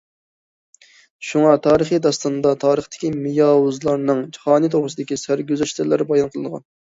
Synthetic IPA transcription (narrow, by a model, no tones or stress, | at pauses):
ʃuŋɑt̪ʰɑːɾəχid̪ɑst̪ɑnɨd̪ɑt̪ʰɑːɾəχt̪ʰɪ̥kʲimijɑːwuzlˠɑɾnɨŋt͡ʃʰi̥χɑːnɨt̪ʰoʁɾɨsɨd̪ɪkʲisæɾɡʲøzɛʃt̪ɪɾlæɾbɑjɑnqʰəlˠɨnəʁɑ̰n